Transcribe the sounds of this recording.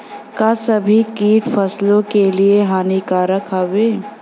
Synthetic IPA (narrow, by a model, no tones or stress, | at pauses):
kasɐbʱikiːʈfʰɐslõkelieɦaːnikaɾɐkʰaʋeː